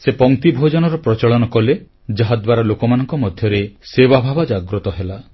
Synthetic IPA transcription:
sepɔŋt̪ibʱod͡ʒɔnɔɾɔpɾɔt͡ʃɔɭɔnɔkɔle | d͡ʒaɦad̪waɾalokɔmanɔŋkɔmɔd̪ʱjɔɾesebabʱabad͡ʒaɡɾɔt̪ɔɦela

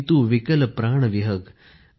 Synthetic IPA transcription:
t̪uːʋikəlpɾaːɳ̃ʋiɦək

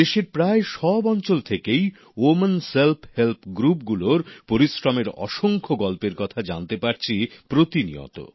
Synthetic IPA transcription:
d̪eʃeɾpɾaeʃɔbɔnt͡ɕolt̪ʰekej | omenselpʰhelpʰɡɾup̚ɡuloɾpoɾisɾameɾɔ̰ʃoŋkʰoɡɔlpeɾkɔt̪ʰad͡ʑant̪epaɾt͡ɕʰipɾot̪inḭo̰t̪o̰

